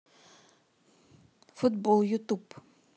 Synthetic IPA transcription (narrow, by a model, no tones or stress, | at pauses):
fʊt̪bɔljut̪ub